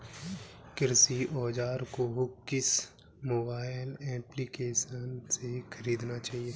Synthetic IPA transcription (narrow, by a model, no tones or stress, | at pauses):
kɪɾsiʔɔːd͡ʒaːɾkoɦkɪs | moːbaːɪɪlɛːplikeːʃənsekʰəɾiːd̪nat͡ʃaːɦije